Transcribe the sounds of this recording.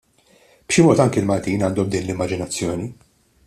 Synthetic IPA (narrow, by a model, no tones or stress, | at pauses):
b̥ʃɪmɔːt̪ɐŋkɛɪlmɐlt̪iːnɐːnd̪ɔmd̪iːnlɪmːɐd͡ʒɪnɐt͡sːjɔːni